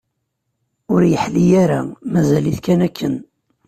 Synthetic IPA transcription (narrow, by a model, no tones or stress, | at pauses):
ʊɾjəħlijæɾamæzæliθkænækʰːən